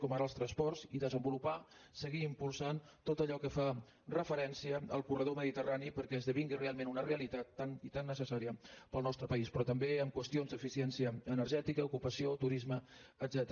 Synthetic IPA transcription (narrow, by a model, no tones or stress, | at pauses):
kɔmaɾəlˠst̪ɾənspɔrziðəzəmbulupasəɣiːmpulˠsant̪ot̪əʎɔkəfa | rəfəɾɛnsiəəlˠkurəð̞oməðit̪əranipəɾkɛəzðəβiŋɡirealˠmẽnunəreəlit̪at̪ːanit̪anːəsəsaɾiəpəlˠnɔst̪ɾəpəispɾɔt̪əmbeəmkwəst̪ionzd̪əfisiɛnsiəənəɾʒɛt̪ikəukupəsiot̪uɾizməːd̪zɛt̪ɾ